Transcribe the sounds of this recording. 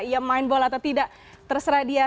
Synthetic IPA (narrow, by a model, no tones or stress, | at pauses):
ijamaɪnbɔlat̪awt̪idaʔ | t̪ərsɾadia